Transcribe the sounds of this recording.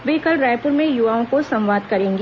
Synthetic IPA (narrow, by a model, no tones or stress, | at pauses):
ʋeːkəlɾaːjpʊɾmẽjʊʋaːõkosɐ̃mʋaːd̪kɐɾẽːŋɡ